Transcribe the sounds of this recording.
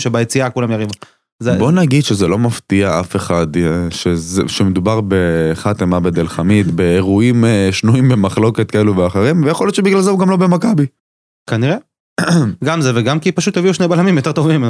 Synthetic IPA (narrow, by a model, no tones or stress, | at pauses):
ʃebajet͡siakulamjaʁiv | zebo̞naɡid̪ʃezelo̞maft̪iaafe̞χad̪ʃezḛʃemed̪ubaʁbe̞χat̪emabed̪elχamit̪beeʁuimʃnuimbemaχlo̞ket̪̚kaeluveaχeʁimvejeχoljott͡ʃʃebiɡlalzeuɡamlo̞bemakabi | kaniʁe | ɡamzeveɡamkipaʃut̪jeviuʃnejbalamimjo̞t̪e̞t̪o̞vim